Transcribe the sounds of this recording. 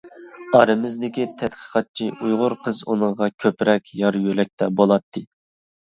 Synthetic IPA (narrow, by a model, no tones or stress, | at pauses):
ɑɾɨmɪzd̪ɪkʲit̪ʰɛt̪qʰə̥qʰɑt̪̚t͡ʃʰiujʁʊɾqʰəzunɨɴʁɑkʲʰøpɾɛkʲjɑɾjølɛk̚ʲt̪ʰɛbolˠɑt̪ʰːɨ